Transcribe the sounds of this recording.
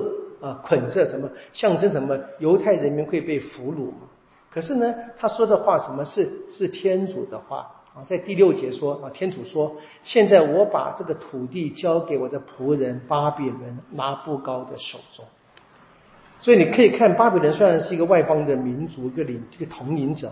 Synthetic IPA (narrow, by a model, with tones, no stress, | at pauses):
ə˧˩kʰwə˨˩nt͡sʰɤ˥˩ʂə˧˥nmə˧ɕjɑ˥˩ŋʈ͡ʂə˥nʂə˧˥nmə˧jo˧˥ʊt̪ʰa˥˩ɪɻə˧˥nmi˧˥nxwe˥˧ɪpe˥˩ɪfu˧˥lṵ˨˩mɐ̰˨˦ | kʰɤ˨˩ʂɻ̩˥˩nə˩t̪ʰa˥ʂwɔ˥d̪ə˨xwa˥˩ʂə˧˥nmə˧ʂɻ̩˥˧ʂɻ̩˥˩t̪ʰjɛ˥nt͡su˨˩d̪ə˦xwa̰˥˩ | ə˨t͡sa˥˧ɪt̪i˥˧ljo˥˩ʊt͡ɕjɛ˧˥ʂwɔ˥ə˥˨˩t̪ʰjɛ˥nt͡su˨˩ʂwɔ˥ | ɕjɛ˥˧nt͡sa˥˩ɪwɔ˧˥pa̰˨˩ʈ͡ʂɤ˥˩ɡə˩t̪ʰu˨˩t̪i˥˩t͡ɕjɑ˥ʊke˧˥ɪwɔ˨˩d̪ə˦pʰu˧˥ɻə˧˥npa˥pɛ˨˩lə˧˥nla˥pu˥˩kɑ˥ʊd̪ə˨ʂo̰˨˩ʊt͡sʊ˥ŋ | swɔ˧˥i˨ni˨˩kʰɤ˧˥i˨˩kʰa˥˩npa˥pjlə˧˦nswe˥ɻʂɻ̩˥˩i˧˥ɡə˧wa˥˩ɪpɑ˥ŋd̪ə˨mi˧˥nt͡su˧˥i˧˥ɡə˧˨li˧˥ni˧˥ɡə˨˩t̪ʰʊ˧˥ŋli˧˥nʈ͡ʂɤ̰˨˩˦